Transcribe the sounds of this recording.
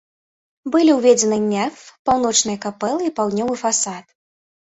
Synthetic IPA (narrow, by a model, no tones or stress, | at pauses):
bɨlʲiwvʲɛd͡zʲɛnɨnʲɛfpawnɔt͡ʂnɨjɐkapɛlˠɨipawd̪nʲɔvɨfasat̪̚